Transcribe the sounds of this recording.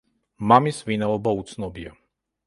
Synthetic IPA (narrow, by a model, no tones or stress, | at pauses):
mamisvinaɔbɔut̪snɔbija